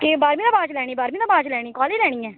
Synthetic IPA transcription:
keːbaːɾmĩːd̪aːbaːt͡ʃlɛːɽ̃iːbaːɾmiːd̪ãːbaːt͡ʃlɛːɽ̃iːkɔːleːd͡ʒlɛ̃ːiːɛː

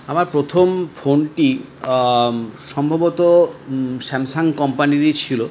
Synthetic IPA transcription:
amaɾpɾot̪ʰomfʰonʈi | ʃɔmbʱabot̪o | ʃɛmsaŋkɔmpaniɾit͡ɕʰilo

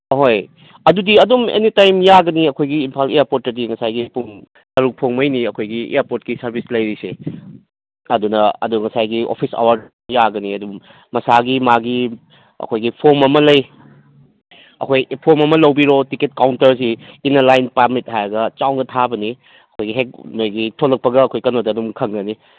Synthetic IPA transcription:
ɦoj | ɐdudiɐdumḛnitajmjaɡɐniɐkʰojɡiːmpʰalejaɾpot̚ːɐdiŋɐsajɡipuŋ | tɐɾuk̚pʰoŋmɐjniɐkʰojɡiḛjaɾpoɾtkisɐɾbʱislɐjɾise | ɐdunɐɐ̰duŋɐsajɡio̰pʰisa̰waɾd | jaɡɐniɐdum | mɐsaɡimaɡi | ɐ̰kʰojɡipʰoɾmɐmɐlɐj | ɐ̰kʰojpʰoɾmɐmɐlɐwbiɾotiket̚kawntɐɾs̬iːnɐlajnpamit̚hajɐɡɐt͡ʃawnɐtʰabɐni | ɐkʰojɡiɦek̚nojɡitʰolɐk̚pɐɡɐːkʰojkɐnodɐdumkʰɐŋɡɐni

